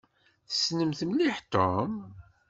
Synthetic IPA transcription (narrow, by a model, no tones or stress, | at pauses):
θə̥snəmθəmliħt̪om